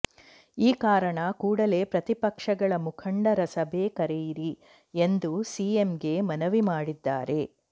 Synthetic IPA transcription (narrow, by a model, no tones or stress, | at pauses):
iːkaːɾɐɳɐkuːɽɐle̞ːpɾɐt̪ipɐkʂɐɡɐɭɐmukʰɐɳɖɐɾɐsɐbʱe̞ːkɐɾejiɾi | end̪usiemɡe̞mɐnɐʋimaːɽid̪ːaːɾe̞